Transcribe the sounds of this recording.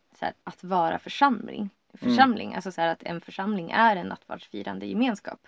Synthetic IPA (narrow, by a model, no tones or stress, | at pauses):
sæ̰ːɾat̪vɑːɾa̰fœʂamlɪ̰ŋ | fœʂamlɪ̰ŋʔa̰lsɔsæːɾat̪ʰɛ̰nfœʂamlɪŋæɾɛnːat̪vɑ̰ːʂfḭːɾand̪əjɛmeːnskɑ̰ːp